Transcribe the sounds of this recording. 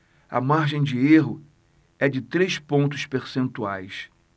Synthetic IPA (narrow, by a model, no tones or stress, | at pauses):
ɐ̰maɾʒẽj̃d͡ʒɪeɦʊ | ɛd͡ʒɪt̪ɾejʃpõnt̪ʊʃpeɾsẽnt̪uajs